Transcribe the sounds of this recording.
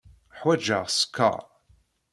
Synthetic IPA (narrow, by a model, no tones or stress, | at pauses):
ħwæd͡ʒə̰ʁskːɑ̰ʁ